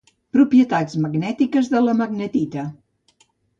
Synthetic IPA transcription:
pɾupjət̪ad͡zməɡnɛt̪ikəzðələməɡnət̪it̪ə

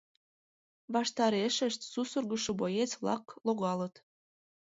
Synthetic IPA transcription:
βɑʃt̪ɑɾeʃəʃt̪susurɣəʃobojet͡sβlɑ̰kloɣɑlət̪

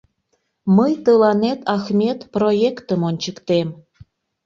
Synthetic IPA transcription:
məjt̪əlɑnet̪ɑxmʲet̪projekt̪əmonʲt͡ɕəkt̪em

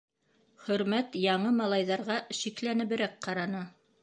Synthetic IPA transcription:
χɵ̆ɾmæt̪jɑɴɤmɑlˠɑjðɑɾʁɑʃiklænɘ̆βɘ̆ɾæk̚qɑɾɑnɤ

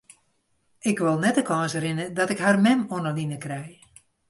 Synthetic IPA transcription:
ɪkʋɪlˠnɛtəkʰɔːsəɾɪnədɔtɪkharmɛmonəlinəkrɛj

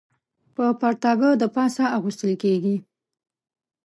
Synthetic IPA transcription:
pəpaɾt̪ɑɡəd̪əpɑsaaɣust̪əlkeɡi

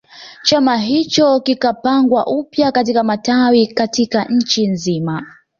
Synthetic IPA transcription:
t͡ʃamaɦit͡ʃɔkikapaŋɡwaʔupjakatikamatawikatikaɲ̩t͡ʃinzima

